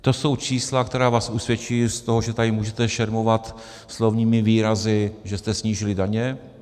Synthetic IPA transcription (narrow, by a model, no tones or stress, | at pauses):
t̪o̞so̞wt͡ʃiːslak̚t̪ɛɾaːvaːsʔusvjɛt͡ʃiːst̪o̞ɦoʒɛt̪adɪmuːʒɛt̪ɛʃɛɾmo̞vat̪ | slo̞vɲiːmɪviːɾazɪʒɛst̪ɛsɲiːʒɪlɪdaɲɛ